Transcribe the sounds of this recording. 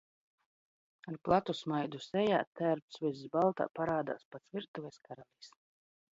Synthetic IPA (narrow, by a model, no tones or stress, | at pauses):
aɾplˠat̪usmajd̪usɛja̰ːt̪æɾpsviszbalˠt̪a̰ːpaɾaːd̪a̰ːspat̪svʲiɾt̪uvɛskaɾalʲiːs